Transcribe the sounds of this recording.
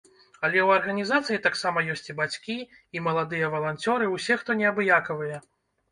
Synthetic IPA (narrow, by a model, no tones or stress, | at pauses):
ɐlʲɛwɐrɣɐnʲizat̪sɨjit̪aksamɐjɔsʲt͡sʲibat͡sʲkʲi | imɐlˠad̪ɨjɐvɐlˠanʲt͡sʲɔɾɨwsʲɛxt̪ɔnʲɛabɨjakɐvɨjɛ